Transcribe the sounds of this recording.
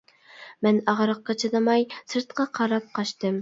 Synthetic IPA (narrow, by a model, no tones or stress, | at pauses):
mɛnɑʁɾɑqːɑt͡ʃʰɑd̪ɑmɑjsɨɾt̪qʰɑqʰɑɾɑp̚qʰɑʃt̪ɨm